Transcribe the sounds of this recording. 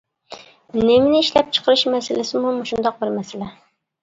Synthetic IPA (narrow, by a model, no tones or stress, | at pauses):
nɪmɪnɪiʃlɛp̚t͡ʃʰə̥qʰəɾɨʃmɛsɪlɪsɪmumuʃund̪ɑq̚bɪɾmɛsɪlɛ